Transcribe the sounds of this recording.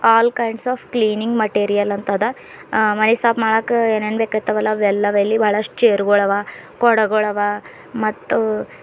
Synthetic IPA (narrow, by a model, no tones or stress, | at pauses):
aːlkɐjɳɖsaːfkliːniŋɡmɐʈeːɾijɐlɐnt̪ɐd̪ɐ | mɐnesaːpmaːɽɐkːeːneːnbeːkaːɡit̪ːɐʋɐlːɐʋɛlːɐʋɐɐlːibʱaːɭɐʂʈt͡ʃeːɾɡɔɭɐʋaːkɔɽɐɡɔɭɐʋa | mɐt̪ːu